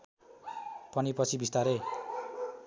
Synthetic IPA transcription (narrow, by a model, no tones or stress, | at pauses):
pʌnipʌt͡sʰibist̪aɾe